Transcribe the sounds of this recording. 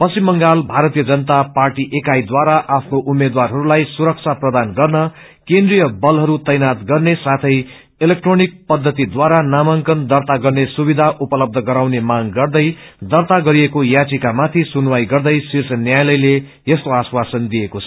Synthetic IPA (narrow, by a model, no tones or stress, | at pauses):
pʌsimːʌŋɡalbʱaɾʌt̪ijʌd͡zʌnʌt̪aparʈiʔekajd̪waɾaʔapʰnoʔumːed̪warɦʌɾulajsuɾʌk̚t͡sʰaprʌd̪anɡʌrnʌ | kend̪rijʌbʌlɦʌɾut̪ʌjnat̪ɡʌrnesat̪ʰʌj | elek̚ʈronik̚pʌd̪ʱːʌt̪id̪waɾanamaŋkʌnd̪ʌrt̪aɡʌrnesubid̪ʱaʔupʌlʌb̚d̪ʱʌɡʌɾawnemaŋɡʌrd̪ʌjd̪ʌrt̪aɡʌɾijekojat͡sikamat̪ʰisunwajɡʌrd̪ʌjsirt͡sʰʌnjajlʌjle | est̪oaswasʌnd̪ijekot͡sʰʌ